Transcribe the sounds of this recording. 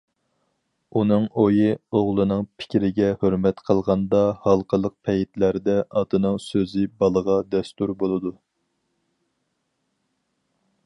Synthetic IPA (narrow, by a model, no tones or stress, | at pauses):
unɨŋojɨoʁlˠɨnɨŋpʰɪ̥kʲɾɪɡʲɛhøɾmɛt̪qʰəlˠʁɑnd̪ɑhɑlˠqʰəlˠəq̚pʰɛjit̪læɾd̪ɛʔɑd̪ɨnɨŋsøzɪbɑlˠəʁɑd̪ɛst̪uɾbolˠɨd̪u